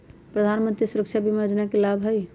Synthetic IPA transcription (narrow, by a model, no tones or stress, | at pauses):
pɾəd̪ʱanmə̃nt̪ɾisuɾəkt͡ʃʰabʱimejod͡ʒnakelabʱɦəj